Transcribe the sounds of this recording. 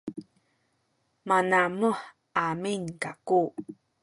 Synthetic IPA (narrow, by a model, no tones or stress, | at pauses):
manamuħ | aminkaku